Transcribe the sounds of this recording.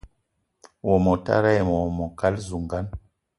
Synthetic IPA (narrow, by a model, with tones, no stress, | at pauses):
wɔ˨mɔ˨ta̰˦ɾa˦jmɔ˨mɔ˨ka˦lzu˨ŋɡa˦n